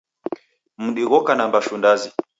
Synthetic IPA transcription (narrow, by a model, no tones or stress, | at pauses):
m̩ɗiɣɔkanambaʃundazi